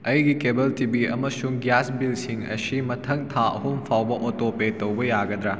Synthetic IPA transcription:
ɐjɡikebɐltibiɐ̰mɐsuŋɡjasbilsiŋɐ̰simɐtʰɐŋtʰaɐ̰ɦumpʰawbɐʔotopetɐwbɐjaɡɐd̪ɾɐ

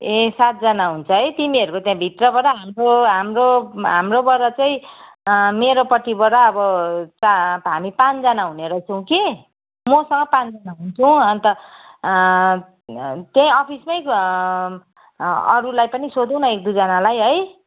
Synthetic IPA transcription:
esat̪̚d͡zʌnaɦunt͡sʰʌɦʌjt̪imiʌɾukot̪jãbʱit̪rʌbʌɾaɦamroɦamroɦamrobʌɾʌt͡saĩ | meɾopʌʈibʌɾaːbʌt͡saɦamipãt͡sd͡zanaɦuneɾʌt͡sʰʌw̃ki | mʌsʌŋɡʌpãnd͡zanaɦunt͡sʰʌw̃ʌnt̪ʌ | t̪jãʌpʰismʌj | ʌ̰ɾulajpʌnisod̪ʌw̃nʌek̚d̪ud͡zʌnalajɦʌj

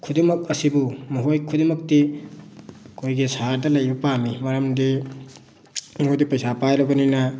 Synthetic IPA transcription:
kʰudimɐk̚ɐsibumuɦojkʰudimɐk̚ti | kʰojɡisaɾdɐlɐjbɐpamimɐɾɐmdi | mojdipɐjsapajɾɐbɐninɐ

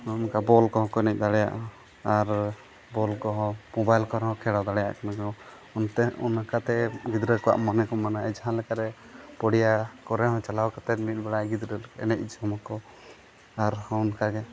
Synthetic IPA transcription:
ɔmkabɔlkɔɦɔ̃kɔɛnɛc̚d̪aɽɛja̰ʔ | aɾ | bɔlkɔɦɔ̃mɔbajlkɔɾɛɦɔ̃kʰɛɽawd̪aɽɛja̰ʔkanakɔ | unt̪ɛṵnakat̪ɛɡid̪ɾəkɔwa̰ʔmɔnɛkɔmanaɛd͡ʒɦãlɛkaɾɛ | pɔɽijakɔɾɛɦɔ̃t͡ʃalawkat̪ɛt̪̚mit̪̚ˀbɛɽaɡid̪ɾəlɛ̰nɛc̚ˀd͡ʒɔmɔkɔ | aɾhɔunkaɡɛ

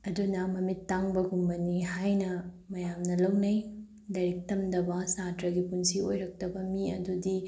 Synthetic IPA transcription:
ɐdunɐmɐmitːaŋbɐɡumbɐniɦajnɐ | mɐjamnɐlɐwnɐj | dɐɾik̚tɐmdɐbɐsatɾɐɡipunsiojɾɐk̚tɐbɐmiɐ̰dudi

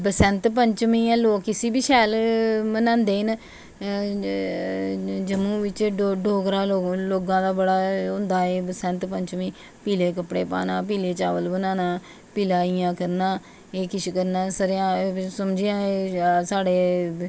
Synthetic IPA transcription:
bəsənt̪pəɲt͡ʃmĩːɛ̃ːloːkːɪsiːbiːʃɛːlmənãːnd̪eːɦɪn | d͡ʒəmũːʋɪt͡ʃɖoɖoːkɾaːoloːɡãːd̪aːbəɽaːɦʊ̃nd̪aːeːbəsə̃nt̪pəɲt͡ʃmĩː | piːleːkəpɽeːpa̰ːnaːp̬iːleːt͡ʃaːʋəlbənaːnaː | piːlaːɪjãːkəɾnaː | eːkɪt͡ʃkəɾnaːsəɾjãːsəmd͡ʒiãːsaːɖeː

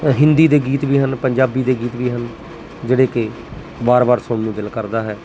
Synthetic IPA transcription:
ɦɪnd̪iːd̪eːɡiːt̪ʋiːɦənpəɲd͡ʒaːbiːd̪eːɡiːt̪ʋiːɦən | d͡ʒeːɽeːkɪ | baːɾbaːɾsʊɳnũːd̪ɪlkəɾd̪aːɦɛː

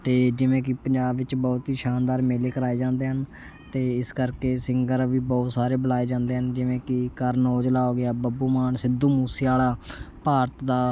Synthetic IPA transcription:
t̪eːd͡ʒɪʋẽːkɪpəɲd͡ʒaːbʋɪt͡ʃbɔːt̪ɦiːʃaːnd̪aːɾmeːleːkəɾaːeːd͡ʒãːnd̪eːɦən | t̪eːɪskəɾkeːsɪŋɡəɾʋiːbɔːt̪saːɾeːbəlaːeːd͡ʒãːnd̪eːɦənd͡ʒɪʋẽːkɪkəɾnoːd͡ʒlaːoːɡeaːbəbuːmaːnsɪd̪uːmuːsiːaːlaː | paːɾət̪d̪aː

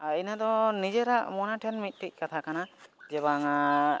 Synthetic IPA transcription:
ainad̪ɔnid͡ʒɛɾaʔmɔnaʈʰɛnmit̪̚ˀʈic̚ˀkat̪ʰakanad͡ʒɛβaŋa

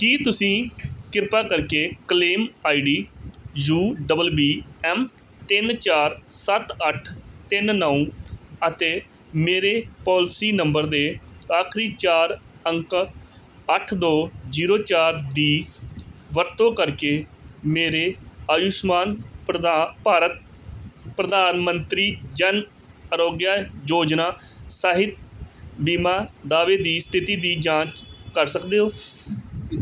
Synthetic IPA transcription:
kiːt̪ʊsĩːkɪɾpaːkəɾkeːkəleːmaːiːɖiːjuːɖəbəlbiːɛːm | t̪ɪnt͡ʃaːɾsət̪əʈʰt̪ɪnnəũːət̪eː | meːɾeːpɔːlsiːnəmbəɾd̪eːaːkʰɾiːt͡ʃaːɾəŋk | əʈʰd̪oːd͡ʒiːɾoːt͡ʃaːɾd̪iː | ʋəɾt̪õːkəɾkeːmeːɾeːaːjʊʃmaːn | paːɾət̪̚ | pɾəd̪aːnmənt̪ɾiːd͡ʒən | əɾoːɡjaːjoːd͡ʒnaːsaːɦɪt̪̚biːmaːd̪aːʋeːd̪iːst̪ʰɪt̪iːd̪iːd͡ʒãːt͡ʃkəɾsəkd̪eːɦoː

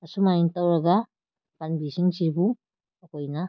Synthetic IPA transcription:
asumaint̪awɾaɡa | panbisiŋt͡ʃibu | akojna

